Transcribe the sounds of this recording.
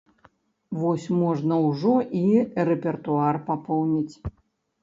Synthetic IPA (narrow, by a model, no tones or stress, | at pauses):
vɔsʲmɔʐnɐwʐɔirɛpʲɛrt̪uarpapɔwnʲit͡sʲ